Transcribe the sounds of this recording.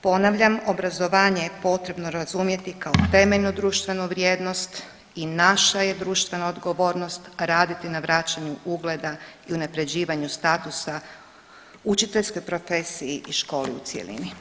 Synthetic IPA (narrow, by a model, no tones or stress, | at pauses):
po̞naʋʎamobɾazo̞ʋaːɲe̞jepo̞t̪ɾe̞bno̞ɾazumje̞t̪ikaot̪e̞me̞ʎnud̪ɾuːʃt̪ʋe̞nuʋɾjeːd̪no̞st̪ | inaʃaje̞d̪ɾuːʃt̪ʋe̞naod̪ɡo̞ʋo̞ːɾno̞st̪ɾaːd̪it̪inaʋɾat͡ɕaɲuʔuɡle̞d̪aiunapɾe̞d͡ʑiːʋaɲust̪aːt̪usa | ut͡ʃit̪e̞ʎʲsko̞jpɾo̞fe̞ːsiiʔiʃko̞ːliut̪sjḛlḭni